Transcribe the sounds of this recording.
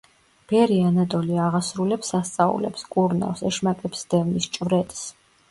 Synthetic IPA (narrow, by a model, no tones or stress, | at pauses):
b̥ɛɾianad̪ʼɔliaʁasɾulɛpsast̪sʼaṵlɛ̰pskʼuɾna̰lˠsɛʃmakʼɛpsd̪̥ɛvnist͡ʃʼvɾɛt̪ʼs